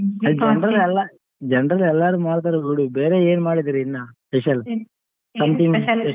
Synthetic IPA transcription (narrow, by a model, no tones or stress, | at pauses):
ɐld͡ʒɛnɾɐlɛlːa | d͡ʒɛɳɖɾɐlɛlːaːɾumaːɽt̪̬aːɾuiwɽubeːɾeːeːnmaːɽid̪iɾinːaːspɛʃɐl | sɐmʈim